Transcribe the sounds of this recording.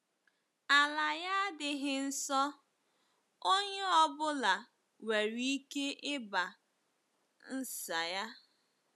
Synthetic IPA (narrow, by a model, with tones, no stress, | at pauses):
a˨la˨ja˦dɪ˨ɦɪ˦n̩˦sɔ˦ | o˦ɲe˦ɔ˦bʊ˦la˨ | we˨ɾi˦i˦ke˦ʔɪ˦ba˨ | n̩˦sa˨ja˦